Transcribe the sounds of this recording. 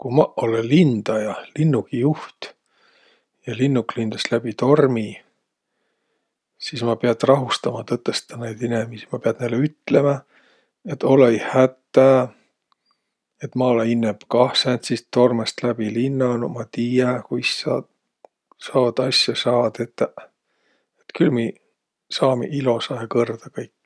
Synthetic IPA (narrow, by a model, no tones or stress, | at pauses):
kumɑolelind̪̥ɑjɑlinːuɡijuht̪ | jɑlinːuklind̪ɑslæb̥it̪o̞rmi | sismɑpeɑd̪̥rɑɦust̪ɑmɑt̪ɤt̪ːˑest̪ɑnejd̪̥inemisi̥mɑpeɑd̪̥nejlːeyt̪ːˑle̞mɑ | et̪ːo̞lejhæt̪ːˑæ | et̪ːˑmɑoleinːeb̥kɑhsent̪sist̪o̞rmest̪læb̥ilinːɑnmɑt̪ijɑkujsːɑ̰ːd̪ | sɑːvɑd̪̥ɑsjɑsɑːɑd̪̥et̪ːæ | et̪kylmiː | sɑːmeʔilo̞sɑekɤrd̪̥ɑkɑjkːˑ